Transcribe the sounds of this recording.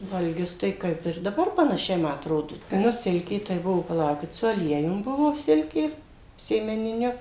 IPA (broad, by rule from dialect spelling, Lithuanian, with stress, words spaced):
ʋɐlʲˈɡʲʊs ˈtɐɪ ˈkɐɪp ɪr dɐˈbɐr pɐnɐˈʃʲɛɪ ˈmɐ ɐtˈroːdʊ ˈnʊ ˈsʲɪlʲkʲeː tɐɪ ˈbʊʋoː pɐˈlˠɐʊkʲɪt sʊ ɐˈlʲiɛjʊm ˈbʊʋoː ˈsʲɪlʲkʲeː sʲeːmʲɛnʲɪˈnʲʊ